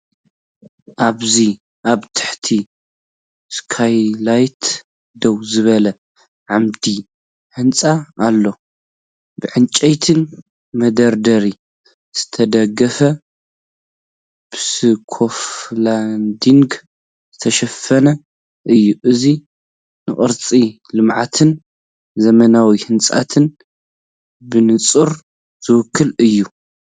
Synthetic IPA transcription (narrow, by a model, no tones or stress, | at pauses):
ʔaβzi | ʔaβt̪ʰɨ̥ħt̪ʰi | skʰajlajt̪ | d̪ɐwzɨβɐlɐ | ʕamd̪i | ħɨnt͡sʼaalːo̞ | bɨʕɨnt͡ʃʼɐjt̪ʰɨn | mɐd̪ɐɾd̪ɐɾi | z̥ɨt̪ʰɐd̪ɐɡɐfɐ | b̥ɨsɨkʰofland̪iŋɡ | z̥ɨt̪ʰɐʃɐfɐnɐ | ʔɨjːuʔɨzi | nɨχʼɨɾt͡sʼi | lɨmʕat̪ʰɨn | zɐmɐnawihɨnt͡sʼa̰t̪ʰɨn | bɨnɨt͡sʼɨɾ | z̥ɨwɨkʰːɨlɨjːu